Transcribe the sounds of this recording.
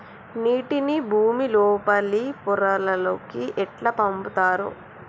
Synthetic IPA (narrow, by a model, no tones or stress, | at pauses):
niːʈinibʱuːmiloːpɐlipuɾɐlɐloːkiʔɛʈlɐpɐmput̪aːɾṵ